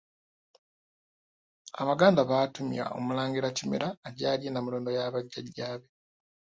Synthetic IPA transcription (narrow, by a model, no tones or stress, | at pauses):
aβaɡaːndaβatumḭa̰o̞̰mulaːŋɡiɾacimḛɾaːɟaːljenamiloːndo̞jaβaɟːaɟaːβe